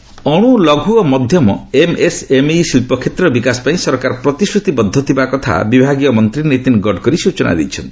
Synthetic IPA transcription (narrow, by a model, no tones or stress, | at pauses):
ɔɽ̃ulɔɡʱuɔmɔd̪ʱjɔmɔemesemisilpɔkʰet̪ɾɔbikasɔ̥paĩsɔɾkaɾɔpɾɔt̪isɾut̪ibɔd̪ʱːɔt̪ʰibakɔt̪ʰa̰bibʱaɡiɔmɔnt̪ɾinet̪inɡɔɖkɔɾisut͡ʃɔna̰d̪ejt͡ʃʰɔnt̪i̥